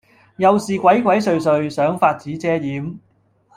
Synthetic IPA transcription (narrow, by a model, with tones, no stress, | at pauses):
jɐ˨wsiː˨kʷɐ˨˥jkʷwɐ˨˥jsɵ˨ɥs̬ɵ˨˧ɥsœː˨˥ŋfaː˧t̚t͡siː˨˥t͡sɛː˥jiː˨˥m